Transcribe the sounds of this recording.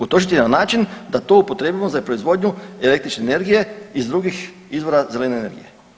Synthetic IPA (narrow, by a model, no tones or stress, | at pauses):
ut̪o̞ʃit̪inanaːt͡ʃind̪at̪o̞upo̞t̪ɾeːbʲimozapɾo̞izʋo̞d̪ɲue̞le̞k̚t̪ɾit͡ʃne̞ːne̞ɾɡije̞izd̪ɾuɡix | izʋo̞ɾaze̞lene̞ːne̞ɾɡḭje